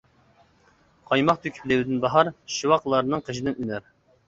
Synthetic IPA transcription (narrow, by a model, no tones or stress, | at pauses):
qʰɑjmɑqt̪ʰykʲʰi̥plɪwɪd̪ɪnbɑɦɑɾʃiwɑqlˠɑɾnɨŋqʰəʃid̪ɪnynæɾ